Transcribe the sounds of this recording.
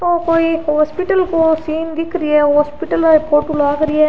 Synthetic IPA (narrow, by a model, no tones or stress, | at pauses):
põːpoːihoːspɪʈːɐlkosiːnd̪ikːɪɾɪjɐhoːspɪʈːɐlaːpoːʈːulaːɣɪɾɪjɐ